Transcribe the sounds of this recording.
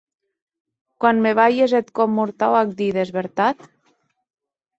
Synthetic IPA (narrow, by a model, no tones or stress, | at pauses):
kwanmeβajezet̪kɔmːuɾt̪awak̚d̪iðezβeɾt̪at̪